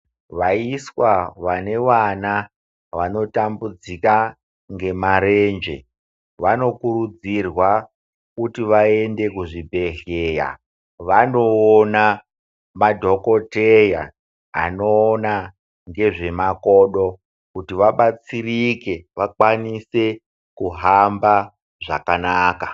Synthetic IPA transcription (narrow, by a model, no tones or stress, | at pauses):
ʋaiswaʋane̞ʋana | ʋano̞tambud͡zika | ŋɡe̞maɾe̞nd͡ʒe̞̰ | ʋano̞kuɾud͡zirwa | kutiʋae̞nde̞kuʐibʱe̞ɬeja̰ | ʋano̞ːna | madʱo̞ko̞teja̰ː | no̞ːna | ŋɡe̞ʐe̞makoːɗo̞ | kutiʋaɓat͡sirike̞ʋakwanise̞ | kuɦamba | ʐa̰kanaːka